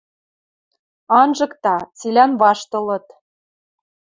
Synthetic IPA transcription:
ɑnʒɤ̆kt̪ɑt͡silʲænβɑʃt̪ɤ̆lɤ̆t̪

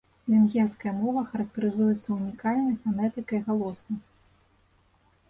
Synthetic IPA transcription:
lʲɪnɣʲɛrskɐjɐmɔvɐxɐɾɐk̚t̪ɐɾɨzujɛt̪sːɐunʲikalʲnɐjfanɛt̪ɨkɐiɣalˠɔsnɐj

